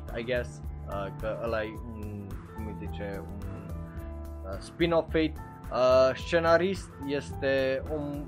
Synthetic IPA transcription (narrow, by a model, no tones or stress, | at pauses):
a̰jɡɛsəkəəlajunkumit̪it͡ʃeun | əspinɔfːejt̪ | əst͡ʃenaɾist̪jest̪eum